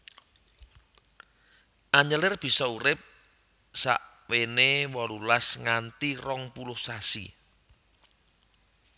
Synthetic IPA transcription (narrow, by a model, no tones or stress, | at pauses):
ʔaɲəlɪrb̥i̤sɔuɾɪp̚ | sa̰ʔ | wenewɔlulasŋant̪irɔŋpulʊhsasḭ